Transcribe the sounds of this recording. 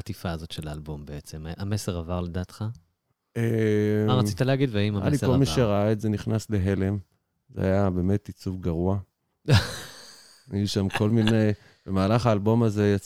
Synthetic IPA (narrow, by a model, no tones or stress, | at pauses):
at̪ifaːzo̞tʃelaːlbo̞mbeet͡semameseʁavaʁledaːtχa | emaʁat͡sit̪aleːɡid̪veaimaa̰likolmiʃeʁaaetze̞niχnasle̞ɦe̞le̞m | zea̰jabe̞me̞tit͡sufɡaʁua | ajuʃamkʰo̞lmine̞j | b̥emaːlaχaːlbo̞maze̞jat͡s